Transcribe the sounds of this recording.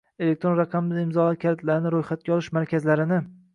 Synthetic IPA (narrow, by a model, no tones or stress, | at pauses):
e̞le̞k̚ʲt̪ɾo̞nɾɑqʰɑmɪd̪aɪmzɒlat̪̚kʰʲaɾt̪laɾɪnɪɾojχat̪̚kʲaɒlˠɪʃmaɾkʲʰazlaɾɪnɪ